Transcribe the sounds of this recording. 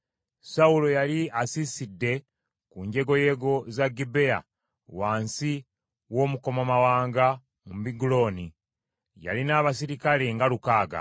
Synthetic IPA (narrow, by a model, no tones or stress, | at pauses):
saulo̞jaliasisidːe̞ | kuɲɟe̞ɡo̞je̞ːɡo̞zaɡibe̞a̰ | waːnsi | wo̞ːmuko̞mamawaːŋɡa | mumbiɡulo̞ːni | ja̰linaːβas̬iɾikale̞ŋɡalukaːɡa̰